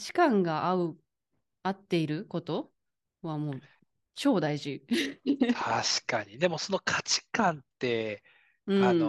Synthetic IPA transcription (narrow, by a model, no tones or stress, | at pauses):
t͡ɕi̥kãŋɡaʔaɯ̟ | at̪ːe̞iɾɯ̟ko̞t̪o̞ | βamo̞ː | t͡ɕo̞ːd̪aiʑi | t̪ʰaɕi̥kaɲid̪e̞mo̞so̞no̞kʰḁt͡ɕi̥kãnt̪e̞ | ɯ̟̃ɴano